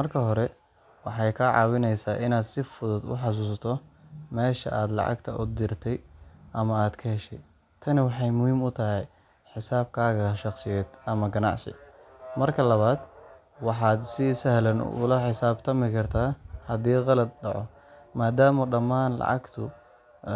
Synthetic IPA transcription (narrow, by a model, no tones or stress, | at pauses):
mɐrkʰɐɦɔɾɛ | wɑħɑjkʰɐʕɑ̰ːwɪnɛjsaːʔɪnaːd̪sɪfʊðʊd̪ʊ̰ħɑs̬uːs̬ɐt̪ʰɔmɛːʃɐ̰ʔaːd̪lɑ̰ʕɑ̰ɡt̪ʰɐʔʊ̰d̪ɪrt̪ʰɛjʔɐmɐaːd̪kʰɐhɛʃɛj | t̪ʰɐnɪwɑħɑjmʊhiːmʊt̪ʰɐɦɛj | ħɪsaːb̚kʰaːɣɐʃɑqsɪjɛːd̪̥ɐmɐɡɐnɑ̰ʕsɪ̰ | mɐrkʰɐlɐβaːd̪ | wɑħɑːd̪sɪsɐhlɐnʊ̰lɐħɪsaːbt̪ʰɐmɪkʰɐrt̪ʰaːhɐd̪iːqɑlɐd̪̚ɖɑʕɔ̰ | maːd̪aːmɐɖɐmaːnlɑ̰ʕɑ̰ɡt̪ʰʊ